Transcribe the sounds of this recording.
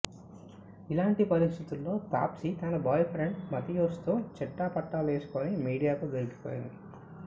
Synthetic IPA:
ilaːɳʈipɐɾist̪ʰit̪ulːo̞ːp̪a̰ːpsit̪ɐnɐbɔːjpʰɾeɳɖmɐt̪ijoːst̪uːt͡ʃɛʈːaːpɐʈːaːleːsu̥koːnimiːɽijaːk̪uːɡeliki̥poːjḭnd̪i

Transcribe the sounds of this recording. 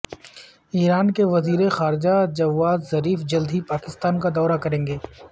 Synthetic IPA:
iːɾaːnkeʋɐziːɾexaːɾɪd͡ʒad͡ʒɐʋːaːzzɐɾiːfd͡ʒɐld̪ʱipaːkɪst̪aːnkad̪ɔːɾakɐɾẽːŋɡeː

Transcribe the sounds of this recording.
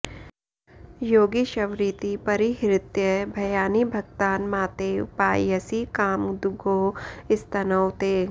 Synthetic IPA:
joːɡiʃɐʋɾit̪ipɐɾiɦɾɪt̪jəbʱɐjaːnibʱɐɡt̪aːnmaːt̪eːpaːjəsikaːmd̪ʊɡoːɪst̪ɐnəwt̪eː

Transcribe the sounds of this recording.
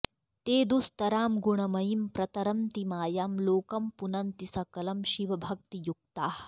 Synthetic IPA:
t̪eːd̪ust̪ɐɾaːmɡuɳɐmɐjimpɾɐt̪ɐɾɐnt̪imaːjaːmloːkɐmpunɐnt̪isɐkɐlɐmʃiʋɐbʱɐk̚t̪ijuk̚t̪aːh

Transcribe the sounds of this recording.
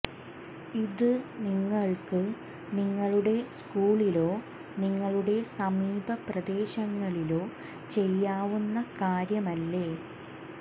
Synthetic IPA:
iðɨniŋːɐɭkɨ | niŋːɐɭuɽe̞skuːɭilo̞ː | niŋːɐɭuɽe̞sɐmiːbɐprɐd̪e̞ːɕɐŋːɐɭilo̞ː | t͡ɕe̞jːaːʋunːɐkaːɾjɐmɐlːeː

